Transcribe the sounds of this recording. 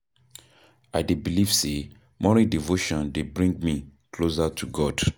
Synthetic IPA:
aɪdebiliv̥se | mɔɹidivoʃɔ̃ndebɹĩŋɡ̚mikʰlosatʰuɡɔd̥

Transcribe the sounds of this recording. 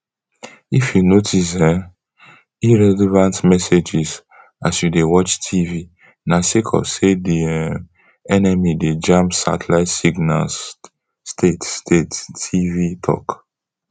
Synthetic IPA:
ifjunotʰis̬ɛ | iɹɛlɛvãntmɛsed͡ʒis | asjudewɔt͡ʃtʰivi | nasekʰɔ̰sedi | ɛnɛmided͡ʒãmpsa̰tlaɪtsiɡna̰ | stʰetstʰetivitʰɔ̰k

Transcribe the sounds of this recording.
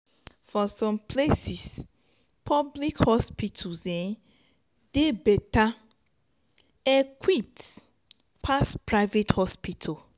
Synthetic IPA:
fɔsɔ̃mpʰlesis | pʰɔblikhɔspitʰosɛ̃n | debɛta | ekʰwip̚t | pʰaspɹaɪvethɔspitʰa

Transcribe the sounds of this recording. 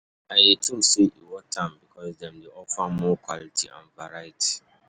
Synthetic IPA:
aetʰũmseʔiwɔtʰːãmbikʰɔsdɛ̃mdeɔfamɔkwa̰litʰḭʔã̰nvaɹajitʰi̥

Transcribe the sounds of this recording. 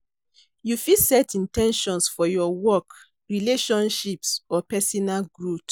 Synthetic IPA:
jufisɛtĩntɛ̃nʃɔ̃nsfɔjɔwɔk | ɹileʃɔ̃nʃipsɔpɛsɔnalɡɹut

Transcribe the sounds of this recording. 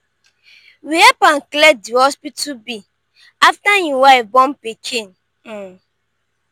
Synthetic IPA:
wiepaŋ̩kledihɔspitubi | aftaɲiwaibɔm̩pet͡ʃen̩

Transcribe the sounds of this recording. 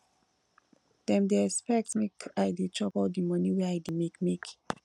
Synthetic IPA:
d̥ɛ̃mdeɛkspɛk̚tmekaɪdet͡ʃʰɔpɔldimʌniwɛaɪdimekmek

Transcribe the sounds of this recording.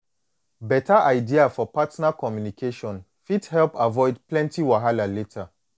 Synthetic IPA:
bɛtaʔaɪdiafɔpatnakɔmjunikʰeʃɔ̃n | fithɛlpavɔɪdplɛ̃ntiwaɦalaletʰa

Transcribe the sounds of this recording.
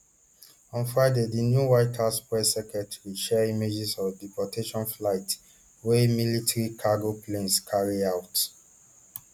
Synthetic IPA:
ɔ̃nfɹaɪdedinjuwaɪtʰaspɹɛsɛkɛtɹiʃɛimed͡ʒisɔdipɔtʰeʃɔ̃nflaɪt | wemilitaɹikʰaɡoplẽnskʰaɹiawt

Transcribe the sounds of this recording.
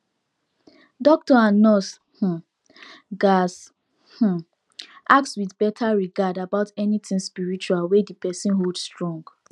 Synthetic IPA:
dɔk̚tɔãnːɔs | h̩ | ɡas | h̩ | ʔak̚tswiθbɛtʰaɹiɡadabaʊtɛnitĩŋspiɹit͡ʃualwedipɛsĩnɦoldstɹɔ̃ŋɡ

